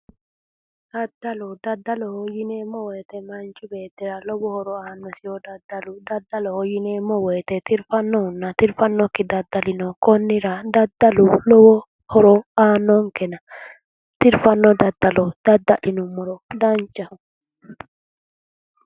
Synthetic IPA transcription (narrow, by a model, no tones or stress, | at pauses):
d̪̥ad̪ːalɔd̪ɐd̪ːalɔhɔjinemːɔweːt̪ɛmant͡ʃibeːd̪ɛɾalɔbɔhɔɾɔaːnːɔsɪjɔd̪ɐd̪ːalud̪ad̪ːalɔhɔjinemɔweːt̪ɛt̪ɪɾfanːɔʊnːat̪ɪɾfanːɔkːɪd̪ad̪ːalɪnɔkɔnːiɾad̪ad̪ːalulɔbɔ | hɔɾɔaːnːɔŋkɛna | t̪ɪɾfanːɔd̪ad̪ːalɔd̪̥ad̪ːalinumːɔɾɔd̪ant͡ʃaʊ